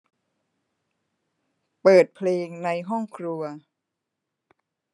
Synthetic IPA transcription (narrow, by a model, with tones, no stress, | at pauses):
pɤː˨˩t̪̚pʰleː˧ŋna˧jɦɔ˥˩ŋkʰɾu˧ɐ